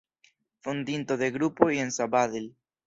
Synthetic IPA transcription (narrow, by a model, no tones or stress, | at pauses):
fond̪int̪oðeɣɾupoiensaβaðel